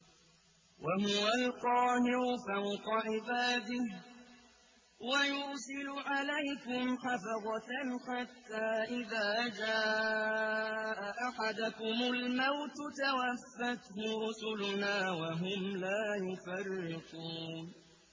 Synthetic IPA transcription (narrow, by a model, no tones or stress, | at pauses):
wʔaɦʊwalqɑːhɪɾʊfawqɑʕɪbaːd̪ɪh | wajʊɾsɪlʊʕalajkʊmħafɑðˤɑħat̪ːaːʔɪðaːd͡ʒaː | ʔaʔaħad̪akʊmʊlmawt̪t̪awafːat̪hʊɾʊsʊlʊnaːwaɦʊmlaːjʊfarːɪquːn